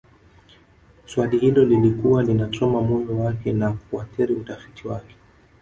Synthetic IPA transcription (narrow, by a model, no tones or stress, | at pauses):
swalihilɔlilikuwalinasɔmamujɔwakɛnakuaθiɾiutafi̥tʰiwakɛ̥